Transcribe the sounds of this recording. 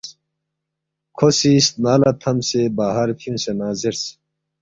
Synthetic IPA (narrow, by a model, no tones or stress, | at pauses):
kʰosist̪̚naːlɐt̪ʰɐmsebaːɦɐɾt̪ʰiũsenaːziɾs